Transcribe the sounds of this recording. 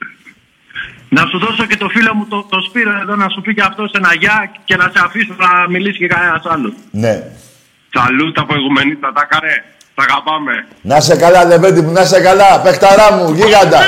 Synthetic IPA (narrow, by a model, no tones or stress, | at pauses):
nɐsuðo̞so̞ce̞t̪o̞filo̞mut̪ot̪o̞spiɾo̞eðo̞nɐsupiceɐft̪o̞se̞naʝɐce̞nɐseafisunɐmilisi̥cekanenɐsɐlusne | sɐ̰lust̪ɐpɾo̞iɣumenit̪ɐt̪ɐkɐɾe | t̪ɐɣapɐme̞ | nɐsekɐlɐle̞ved̪imunɐs̬e̞kalɐpe̞xt̪ɐɾɐmuʝiɣɐnd̪ɐ